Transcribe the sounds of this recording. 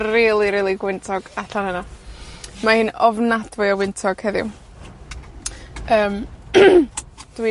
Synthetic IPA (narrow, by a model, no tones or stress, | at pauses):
iːlˠiɾiːlˠiɡwɪntʰɔɡ̥aɬanəna | mahɨːnɔvnadvɪɔwɪntʰɔɡ̥hɛðɪ̰w | əːm | d̥wi